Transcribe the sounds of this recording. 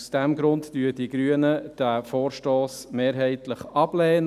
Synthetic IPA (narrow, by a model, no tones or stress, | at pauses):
sd̥ɛmɡɾʊntd̥yːəd̥iɡɾyənəd̥æfoːɾʃtoːsmeːɾɦɛɪtləχɑb̥lɛːn